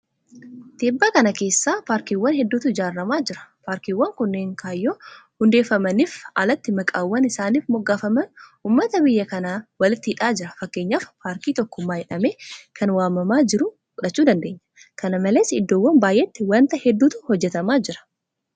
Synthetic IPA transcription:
t̪iːbːaːkɐnɐke̞ːsːaːpaːɾkiːwːɐnhɛd̪ːuːt̪ʊɪd͡ʒaːɾːɐmaːd͡ʒɪɾɐ̥paːɾkiːwːɐŋkʊnːeːŋkʰaːjːoːhʊnd̪e̞ːfːɐmɐniːfaːlɐt̪ːɪmɐkʼaːwːɐnɪsaːniːfmɔɡːaːfɐmɐnuːmːɐt̪ɐbɪjːɐkɐnaːwɐlɪt̪ːɪhɪᶑaːd͡ʒɪɾɐfɐkːe̞ːɲːaːfpaːɾkiːt̪ɔkːʊmːaːjɛᶑɐme̞ːkʰɐnwaːmːɐmaːd͡ʒɪɾʊ | fʊᶑɐt͡ʃːuːd̪ɐnd̪e̞ːɲːɐ̥ | kɐnɐmɐleːsɪd̪ːoːwːɐnmbaːjʔeːt̪ːɪwɐnt̪ɐhɛd̪ːuːt̪ʊhɔd͡ʒːɛt̪ɐmaːd͡ʒɪɾɐ̥

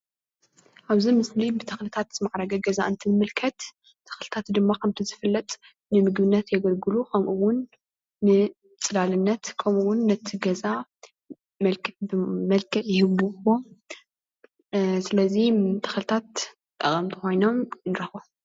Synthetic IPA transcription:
ʔaβzimɨslibɨt̪ʰɐxlɨt̪ʰat̪zɨmaʕɾɐɡɐɡɐza̰ʔɨnt̪ʰɨnmɨlkʰɐt̪ | t̪ʰːɐ̥xlɨt̪ʰat̪d̪ɨmːakʰɐmt̪ʰizɨfɨlːɐt̪ʼ | nɨmɨɡbɨnːɐt̪jɛɡɐlɡɨlukʰɐmʔuwʊnː | ɨ | t͡sʼɨlalɨnːɐt̪kʰɐmuwʊnːɐt̪ʰːiɡɐza | mɐlkʰmɐlkʰɐʔjɪhɨβuwo | sɨlɐzit̪ʰɐ̥xlɨt̪ʰat̪ | t̪ʼɐ̰χʼɐmt̪ʰi̥xo̞jno̞mnɨɾɐxo

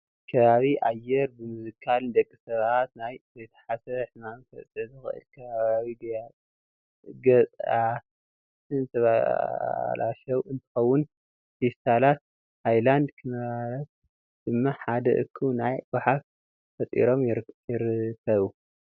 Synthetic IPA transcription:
kʰɐβaβiʔajɛɾbɨmuzɨkʰald̪ɐkʼːisɐβat̪najzɐjt̪ʰɐ̥ħasɐβħmanfʰɐ̰t͡sʼɨzɨxɨ̰ʔɨ̰lkʰɐβaβaβiɡja | ɡɐt͡sʼʔa | sɨnsɐβa̰ | lʔa̰ʃɐwɨnt̪ʰɨ̥xɐwːʊn | fist̪ʰalat̪̚ | hajland̪kʰɨnɐβaɾɐt̪̚ | d̪̥ɨmːaħad̪ɐ̰ʔɨ̰kʰːunajbaħaf | fɐt̪ʼḭɾo̞mjjɪɾɨkʰːɐβu

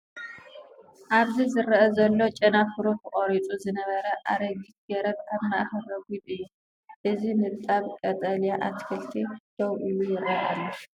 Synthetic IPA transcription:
ʔaβzizɨɾɐʔɐzɐlːo̞t͡ʃʼɐnafɨɾukʰɨqʼoɾit͡sʼuzɨnɐβɐɾɐʔaɾɐɡit̪̚ɡɐɾɐt̪kʰaβmaʔhɐrɐɡuɨjːu | ʔɨzinɨbt̪ʼaβkʼɐt̪ʼɐljaʔat̪kʰɨlt̪ʰid̪̥ʰowʔɨjujɪɾɐʔalːo

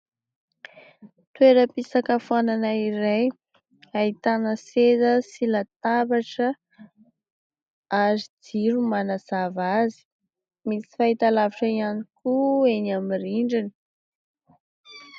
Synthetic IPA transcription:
t̪weɾəpisakəfuananaiɾej | ait̪anəsezəsilat̪abaʈ͡ʂə | azid͡ziɾumanaz̥avazi̥ | misi̥fait̪alaviʈ͡ʂəianikuenamiriɳɖ͡ʐini̥

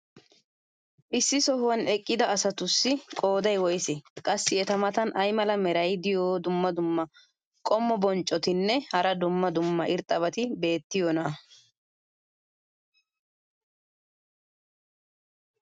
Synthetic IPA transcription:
ʔɪsːɪsɔhwɐnɛkʼːɪd̪ɐːsɐt̪ʊsːɪkʼo̞ːd̪ɐjwɔjsɛkʼɐsːɪɛt̪ɐmɐt̪ɐnʔɐjmɐlɐmɛɾɐjd̪ɪjoːd̪ʊmːɐd̪ʊmːɐ | kʼɔmːɔbɔnt͡ʃʼːɔt̪ɪnːɛhɐɾɐd̪ʊmːɐd̪ʊmːɐʔɪɾt̪ʼːɐβɐt̪ɪbe̞ːt̪ːɪjɔnɐ

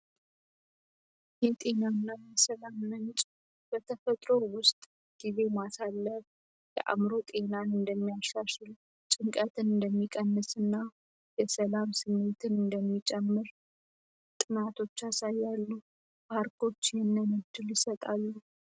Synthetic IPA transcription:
jɛt̪ʼe̞nanːajɛsəlamːənt͡ʃʼ | b̥ət̪ʰəfət̪ʼɾo̞wʊst̪ʼ | ɡ̥ize̞masalːəβ | jɛ̰ʔa̰mɾo̞t̪ʼe̞nanɨnd̪əmːijaʃaʃɨl | t͡ʃʼɨŋkʼət̪ʰɨnɨnd̪əmːikʼənːɨsɨnːa | jɛsəlamsɨmːe̞t̪ʰɨnɨnd̪əmːit͡ʃʼɛmːɨɾ | t̪ʼɨnat̪ʰo̞t͡ʃːasajːalːu | baɾkʰo̞t͡ʃːjɛnːəməd̪ɨljɪsət̪ʼalːu

